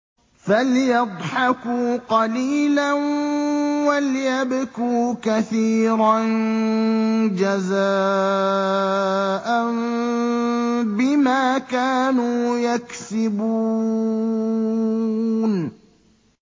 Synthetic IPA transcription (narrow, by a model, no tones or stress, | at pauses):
faljɑd̪ˤħɑkuːqɑliːlan | waljabʊkuːkaθiːɾan | d͡ʒazaː | ʔan | bɪmaːkaːnuːjaksɪbuː | n